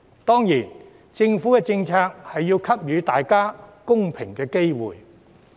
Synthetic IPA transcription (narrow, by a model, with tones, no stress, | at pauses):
t̪ɔː˥ŋjiː˨˩n | t͡sɪ˧ŋfu˨˥kɛː˧t͡sɪ˧ŋt͡sʰaː˧k̚hɐ˨jːiː˧wkʰɐ˥p̚jyː˨˧t̪aː˨jkaː˥kʊ˥ŋpʰɪ˨˩ŋkɛː˧ke˥jwṵː˨˩j